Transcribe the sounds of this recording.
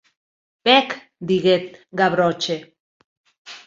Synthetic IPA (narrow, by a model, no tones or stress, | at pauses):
pek | d̪iɣet̪̚ɡaβɾot͡ʃe